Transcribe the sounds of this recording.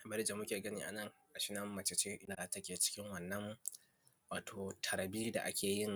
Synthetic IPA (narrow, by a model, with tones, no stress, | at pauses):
mɐ˦ɾɪ˦d͡ʒa˨mʊ˦kʲeː˨ɡɐ˦niː˦ʔa̰˨nɐ˦ŋ | ʔa˨ʃɪ˦nɐ˦mːɐ˨t͡ʃɪ˨t͡ʃeː˦ʔɪ˦na˨tɐ˦kʲeː˨t͡ʃɪ̥˦kʲɪ˦ŋwɐ˨nːɐ˦m˦ | waː˨tʰoː˨tʰɐ˨ɾɐ˨biː˦da̰˨ʔa̰˦kʲʰeː˨jɪ˦˨ŋ